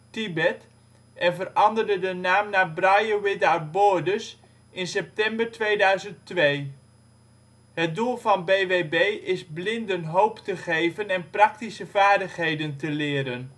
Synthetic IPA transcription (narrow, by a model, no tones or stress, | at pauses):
tibɛt | ʔɛnvərɑndəɹdədənaːmnaːbrɑjəʋɪdabʊːɹdəs | ɪnsɛp̚tɛmbəɹtʋejdœɥzənttʋej | ɦət̚dulˠvɑnbejʋejbejɪzblɪndənɦowptəχejvənɛnprɑk̚tisəvaːɹdəχɦejdəntəlɪːɾən